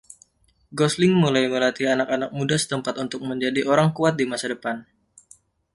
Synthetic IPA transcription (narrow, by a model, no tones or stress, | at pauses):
ɡɔslɪŋmulajməlat̪ianakanak̚mudasə̥t̪əmpat̪unt̪ʊk̚məɲd͡ʒadiʔoɾaŋkuat̪̚dimasadəpan